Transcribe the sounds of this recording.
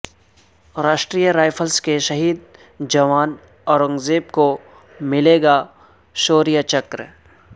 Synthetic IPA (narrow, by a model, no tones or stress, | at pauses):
ɾaːʃʈɾijaɾaːɪpʰəlskeʃɐɦiːd̪ | d͡ʒɐʋaːn | ɔːɾɐ̃ŋɡzeːpko | mɪleːɡa | ʃoːɾijat͡ʃɐkɾ